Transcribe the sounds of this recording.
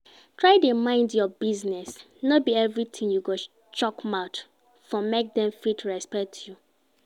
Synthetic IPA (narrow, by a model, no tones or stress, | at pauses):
tʰɹaɪdəmãɪ̃ndjɔbiznɛs | nɔbiɛvɹitʰĩŋjuɡo | t͡ʃɔkmaʊt | fɔmek̚dɛ̃mfitʰɹɛspɛk̚tʰju